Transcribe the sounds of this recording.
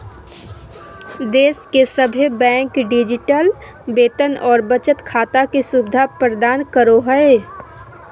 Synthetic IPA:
d̪eːskesəbʱebɛ̃ːŋkɖɪd͡ʒɪʈəl | beːt̪ənɔːɾbət͡ʃət̪kʰaːt̪akesubɪd̪ʱapɾəd̪aːnkəɾoɦəe

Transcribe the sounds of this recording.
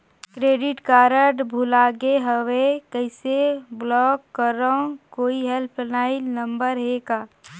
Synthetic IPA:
kɾeːɖɪʈkaːɾəʈbʱulaːɡeɦəwekəɪseblɔːkːəɾokoːiɦelpʰnaːɪilnəmbəɾɦeɡaː

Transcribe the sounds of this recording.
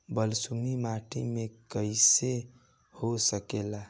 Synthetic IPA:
bəlsumimaʈʰḭmekəjse | hosəkela

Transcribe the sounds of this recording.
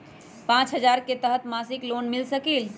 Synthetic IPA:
pãːt͡ʃɦəd͡ʒaːɾket̪əɦət̪maːsɪkloːnmɪlsəkiːl

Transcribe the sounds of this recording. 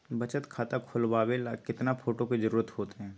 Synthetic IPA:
bɐt͡ʃət̪kʰaːt̪akʰʊlbaːwelakɪt̪napʰoːʈoked͡ʒɐɾuːɾət̪hoːt̪eɦɛ̃ː

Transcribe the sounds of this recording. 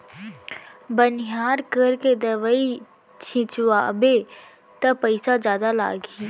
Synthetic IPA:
bənɦjaːɾkəɾked̪ɐʋai | t͡ʃʰɪ̃t͡ʃwaːbe | t̪ɐpəɪsazjaːd̪ala̰ːɡi

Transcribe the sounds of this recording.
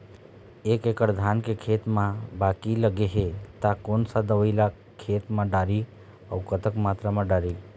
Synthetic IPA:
ekekəɾd̪ʱankekʰet̪mãbakiləɡeɦet̪akonsad̪əʋəɪla | kʰet̪mãɖaɾi | əwkət̪əkmat̪ɾamãɖaɾi

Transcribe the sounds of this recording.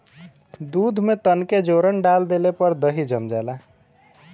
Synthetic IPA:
d̪ud̪ʱmet̪ənked͡ʒoɾənɖald̪elepəɾd̪əɦid͡ʒəmd͡ʒala

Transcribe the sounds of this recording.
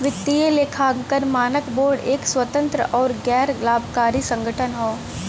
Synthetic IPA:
ʋɪt̪ːieleːkʰaːkəɾmaːnəkboːɾɖeːkswət̪ə̃nt̪ɾəʔɔːɾɡɛːɾlaːbʱkaːɾisə̃ŋɡʱəʈʰənɦoː

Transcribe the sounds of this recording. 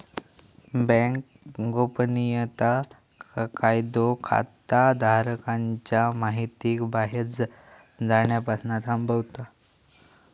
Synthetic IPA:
bɛ̃ŋk | ɡopnijət̪a | kajd̪okʰa̰t̪ad̪ʱaɾəkaɲt͡ɕjamaɦit̪iːkbaɦet͡s | d͡zaɳjapasnat̪ambəwt̪a

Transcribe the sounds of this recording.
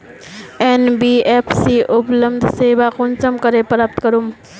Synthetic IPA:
eːnbiːeːpʰsiʔʊpləmd̪ʱseːʋaqʊnsəmkəɾepɾaːp̚t̪kəɾum

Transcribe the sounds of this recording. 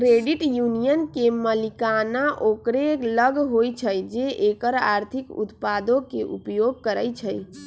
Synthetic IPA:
kɾeɖiʈjunijənkeməlikanaʔokɾeləɡɦojt͡ʃʰəjd͡ʒeʔekəɾa̰ɾt̪ʰikṵt̪pad̪okeʔṵpjoɡ̚kəɾəjt͡ʃʰəj

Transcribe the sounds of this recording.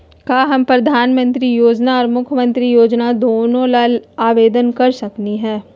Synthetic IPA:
kaːɦɐmpɾɐd̪ʱaːnmə̃nt̪ɾijoːd͡ʒnaɔːɾmʊkʰjmə̃nt̪ɾijoːd͡ʒnad̪oːnõlaːlaːʋeːd̪ənkɐɾsɐkniɦɛ̃ː

